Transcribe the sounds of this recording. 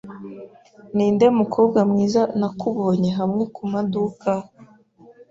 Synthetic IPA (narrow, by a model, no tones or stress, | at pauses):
niːnde̞mukʰo̞ːb̚ɡamŋiːzanakuβo̞ːɲe̞ɦamŋe̞kumaduka